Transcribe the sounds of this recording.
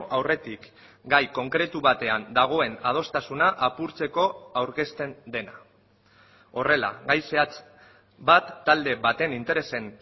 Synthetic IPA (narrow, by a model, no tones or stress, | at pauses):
ʔawre̞t̪ik | ɡajko̞ŋkɾe̞t̪uβat̪e̞and̪aɣ̞o̞e̞nað̞o̞st̪asunaʔapuɾt͡se̞ko̞awɾke̞st̪e̞nd̪e̞na | o̞re̞la̰ɣajseat͡s | bat̪ːald̪e̞βat̪e̞nint̪e̞ɾe̞se̞n